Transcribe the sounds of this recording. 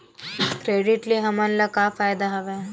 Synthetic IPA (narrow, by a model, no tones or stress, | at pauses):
kɾeːɖɪʈliɦɐmɐnlɐkaːfaːjd̪aɦɐʋeː